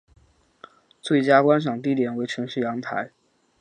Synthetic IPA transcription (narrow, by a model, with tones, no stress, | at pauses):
t͡swe˥˩ɪt͡ɕja˥kwa˥nʂ̬ɑ˨˩ŋt̪̬i˥˩t̪jɛ˨˩nwe˧˥ɪʈ͡ʂʰɤ˧˥ŋʂɻ̩˥˩jɑ˧˥ŋt̪ʰa̰˧˥ɪ